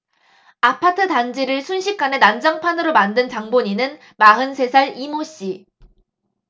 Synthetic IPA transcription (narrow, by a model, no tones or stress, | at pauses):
apʰatʰɯtand͡ʑiɾɯɭsʰunɕʰik̚k͈ane̞nand͡ʑʌŋpʰanɯɾomandɯnt͡ɕaŋboɲinɯn | maɦɯnsʰe̞sʰaɭimoɕ͈i